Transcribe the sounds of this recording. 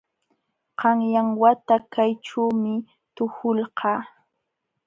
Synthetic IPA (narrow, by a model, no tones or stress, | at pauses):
qɑŋjaŋwat̪akajʈ͡ʂuːmɪ | t̪ʊhʊlqɑː